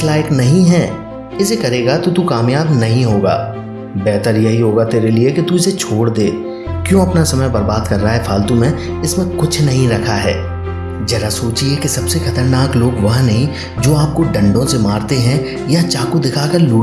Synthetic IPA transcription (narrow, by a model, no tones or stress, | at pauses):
slaːɪknɐɦĩɦɛː | ɪsekɐɾeːɡat̪ot̪ukaːmjaːbnɐɦĩɦoːɡa̰ː | bɛːt̪əɾjɐɦiɦoːɡat̪eːɾeliekit̪uɪset͡ʃʰoːɽd̪eː | kjõːɐpnasɐməjbɐɾbaːd̪kɐɾːaaɦɛpʰaːlt̪umẽ | ɪsmẽkʊt͡ʃʰnɐɦĩɾɐkʰaɦɛ̰ː | d͡ʒɛːɾasoːt͡ʃiɛkisɐbsexɐt̪əɾnaːkloːɡʋɐɦnɐɦĩ | d͡ʒoːaːp̚koɖɐ̃ɳɖõsemaːɾt̪eɦɛ̃ | jat͡ʃaːkud̪ɪkʰakɐɾluː